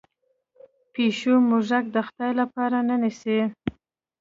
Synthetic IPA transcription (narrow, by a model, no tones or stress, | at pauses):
peʃumʊʒak̚d̪əxt̪ɑjlapɑɾanənise